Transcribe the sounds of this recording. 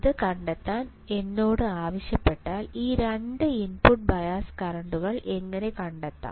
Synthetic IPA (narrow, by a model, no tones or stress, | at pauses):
ðɨkɐɳɖɐt̪ːaːn | e̞nːo̞ːɽɨaːʋɐɕjɐpːe̞ʈːaːliːɾeɳɖɨinpuʈ̚bɐjaːskɐrɐɳɖuɣɐɭe̞ŋːɐne̞kɐɳɖɐt̪ːa̰ː